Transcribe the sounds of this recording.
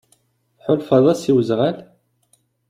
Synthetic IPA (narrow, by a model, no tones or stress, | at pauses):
θħʊlfɑðˤɑsiwəzʁæl